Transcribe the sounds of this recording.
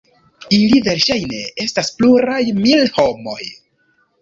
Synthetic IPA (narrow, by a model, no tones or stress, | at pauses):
ilive̞ɾʃajne̞e̞staspluɾajmilho̞mo̞̰j